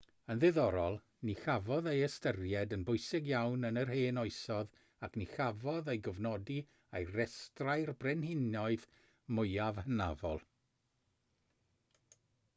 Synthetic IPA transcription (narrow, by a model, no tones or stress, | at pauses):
ənðɨðɔɾɔlˠ | nixavɔðejəstərjɛdənbʊɨsɪɡjawnənərheːnɔɨsɔð | akʰnixavɔðejɡɔvnɔdi | ejrɛstrajrbrɛnhɪnjɔɨð | mʊɨavhəna̰vɔ̰lˠ